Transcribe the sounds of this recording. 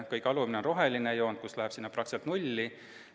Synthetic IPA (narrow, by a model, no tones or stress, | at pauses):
kɯjkɑlumineonro̞ɦelinejo̞ːnd̪̥̚kuslæhepsinːɑprɑkset̪nulʲːi